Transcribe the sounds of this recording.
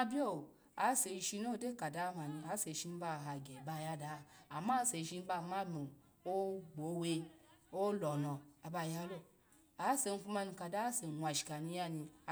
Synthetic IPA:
a˧bʲjo˦˨ | a˨˦se˧ʃi˧no˦˨˦de˦ka˨da˦ma˨ni˧a˨˦se˨˧˨ʃi˧ni˦ba˧˨ɦa˧ɡʲe˨ba˧˨ja˦da˨˦˨a˨ma˦se˨˧ʃi˧ni˦ba˧˨ma˦mo˨ | o˦ɡ͡bo˨˦we˧o˦lɔ˨lɔ˨a˨ba˧˨ja˦lo˧ | a˨˦se˧n˧˦fu˧ma˧ni˧ka˨da˦se˨n˨wʷa˨ʃi̥˨ka˨ni˧ja˧ni˧˨

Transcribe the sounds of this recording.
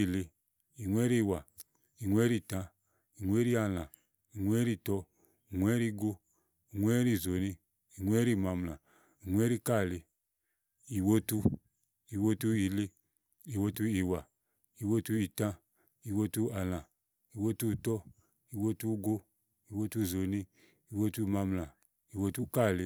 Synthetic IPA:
i˨li˧ | i˨ŋwɛ˦ɾi˦˨wa˨ | i˨ŋwɛ˦ɾi˦˨tã˧ | i˨ŋʷ˦ɛ˦ɾi˦a˨lã˨ | i˨ŋʷ˦ɛ˦ɾi˦˨tɔ˦ | i˨ŋʷ˦ɛ˦ɾi˦ɡo˦ | i˨ŋʷ˦ɛ˦ɾi˦˨zo˨ni˦ | i˨ŋwɛ˦ɾi˦˨ma˨m˨lã˨ | i˨ŋʷ˦ɛ˦ɾi˦ka˦˨li˨ | i˨wo˦tu˦ | i˨wo˦tu˦i˨li˦ | i˨wo˦tu˦i˨wa˨ | i˨wo˦tu˦i˨tã˦ | i˨wo˦tu˦a˨lã˨ | i˨wo˦tu˦˨tɔ˦ | i˨wo˦tu˦ɡo˦ | i˨wo˦tu˦˨zo˨ni˦ | i˨wo˦tu˦˧˨ma˧mlã˨ | i˨wo˦tu˦ka˦˨li˧

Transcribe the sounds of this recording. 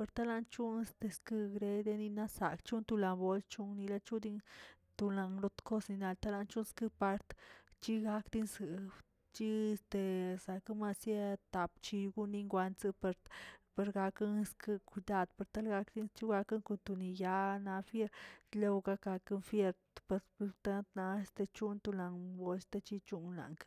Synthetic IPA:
pe˧ɾt̪a˦la˧nt͡ʃu˦ne˧st̪e˧skɨ˧ɡɾe˧d̪e˧ni˧na˦sa̰˨kt͡ʃu˦nt̪u˧la˨mbo˧lt͡ʃu˦ŋni˧la˧t͡ʃu˦d̪i˦n | t̪u˧la˧nɾo˧t̪ko˦sni˧na˧lt̪a˦la˧nt͡ʃu˦nskɨ˦pa˧ɾt̪t͡ʃi˦ɡa˧kd̪i˧nsɨ˨ | t͡ʃi˦e˧st̪e˧sa˨kɨ˦ma˧sja˦t̪a˨pt͡ʃi˧ɡu˦ni˧ŋɡʷa˧nt͡sɨ˧pe˧ɾpe˧ɾɡa˧kɨ˦nskɨ˦ku˧d̪a˦˧d̪pe˧ɾt̪a˦lɡa˧kd̪i˦nt͡ʃi˦ɡa˧ka˦ŋko˧˨nt̪u˧ni˧ja˧na˧fje˦ɾle˧wɡa˦ka˧kɨ˦nfje˧ɾ | pe˧ɾt̪a˦t̪na˧e˧st̪e˧t͡ʃu˦nt̪u˧la˨ŋbo˧˦st̪e˧t͡ʃi˦t͡ʃu˦nla̰˨ŋk

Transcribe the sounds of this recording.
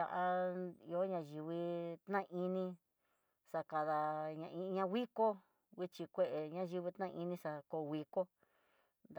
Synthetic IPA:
a̰˧ʔa˧i˧o˦ɲã˧ʒi˧βi˧t̪nã˦˧ʔi˧nĩ˧ | sa˧ka˧ða˧ɲã˧ʔĩ˧ɲã˧wʷi˦ko˦ | wi˦t͡ʃi˧kʷe˧ʔe˨ɲã˦ʒi˧βi˧t̪nã˦˧ʔi˧nĩ˧sa˧ko˧˨˧wi˧ko˦ | nd̪

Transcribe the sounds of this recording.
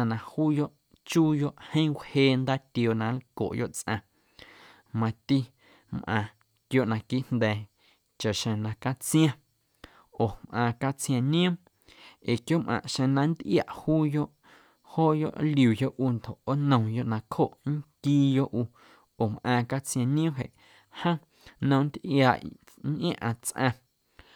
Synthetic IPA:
ã˧nã˧huː˦jo˦ʔ | t͡ʃuː˦jo˦ʔhə̃˦wheː˧˨nd̪aː˦t̪jo˧nã˧˦lko̰˨ʔjo̰˦ʔt͡sʔã˧˨ | mã˧t̪i˦ | mʔã̰ː˧ | kjo˦ʔnã˧ki˦ʔnd̪ɛː˨ | t͡ʃa˨ʔʃẽ˧nã˧ka˦t͡sj̃ã˧ | o˨mʔãː˧ka˦t͡sj̃ã˧nĩ˦ə̃˦m | e˨kjo˦mʔã̰˨ʔʃẽ˧nã˧n˦d̪ʔja˨ʔhuː˦jo˦ʔ | hoː˦jo̰˦ʔljuː˨jo˦ʔu˧nd̪o˨ʔo˦nə̃˧jo˦ʔnã˧kho˦ʔŋ˦kiː˦˧jo˦ʔuː˧ | oː˨mʔã˧ka˦t͡sj̃ã˧nĩ˦ũ˦ɦḛ˨ʔ | hə̃˦ | nə̃˧n˦d̪ʔja˨ʔ | nʔã˦ʔã˧t͡sʔã˧

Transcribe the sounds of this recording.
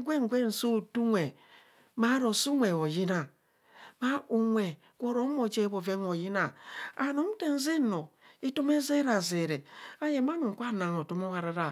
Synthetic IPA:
ɡʷe˦ŋ˨ɡʷe˦n̩˨so˦˨tu˦ŋʷe˨ | ma˨˦ɾo˨su˦ŋʷe˨o˨ji˦na˨ | ma˦u˨ŋʷe˨ | kʷo˨ɾo˦mo˨d͡ʒe˦bo˨ve˦ŋo˨ji˦na˨a˨no˨˦m̩˦te˦n˦ze˦no˨i˦to˦me˦ze˦ɾa˨ze˨ɾe˨a˦je˨ma˦nu˨ŋ̩˨kʷa˦˨na˨ŋo˨to˦mo˦wa˨ɾa˦ɾa˨

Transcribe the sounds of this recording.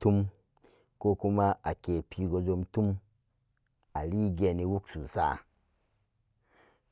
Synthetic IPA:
tu˦m | ko˦ku˦ma˦ʔa˨ke˨pʰi˨ɡo˨zo˧mtu˦m | a˨li˦ɡe˨ni˨wu˦ksu˨sa̰˦˨

